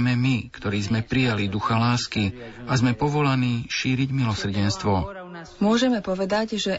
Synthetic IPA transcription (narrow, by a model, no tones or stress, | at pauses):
mɛmikt̪ɔɾiːzmɛpɾijalid̪uxalaːskiazmɛpɔʋɔlaniːʃiːɾiɟmilɔsr̩ɟɛnst̪ʋɔ | mʊɔʒɛmɛpɔʋɛd̪aɟʒɛ